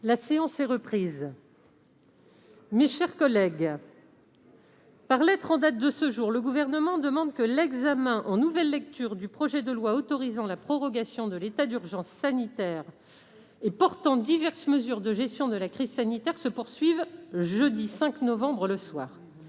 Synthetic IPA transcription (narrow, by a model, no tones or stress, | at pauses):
laseɑ̃sɛʁəpχiːz | meʃɛʁkɔlɛɡ | paʁlɛt̪χɑ̃d̪at̪̚d̪əsəʒuʁləɡuvɛʁnəmɑ̃d̪əmɑ̃d̪kəlɛɡzamɛ̃ʔɑ̃nuvɛlːɛk̚t̪yʁd̪ypχɔʒɛd̪əlwaot̪ɔʁizɑ̃lapχɔʁɔɡasjɔ̃d̪əlet̪ad̪yʁʒɑ̃sːanit̪ɛʁ | epɔʁt̪ɑ̃d̪ivɛʁsməzyʁd̪əʒɛst̪jɔ̃d̪əlakχizsanit̪ɛʁsəpuʁsɥivʒəd̪isɛ̃knɔvɑ̃bʁələswaːʁ